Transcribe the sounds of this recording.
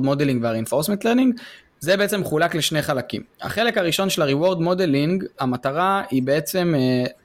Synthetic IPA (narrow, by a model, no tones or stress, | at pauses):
d̪mod̪eliŋɡveaʁeinfo̞ʁsment̪leʁniŋɡ | zebeet͡se̞mχulakleʃneχalakḭmha̰χe̞le̞kaʁiʃo̞nʃe̞laʁiwo̞ʁd̪mo̞deliŋɡhamat̪aʁaibeet͡se̞m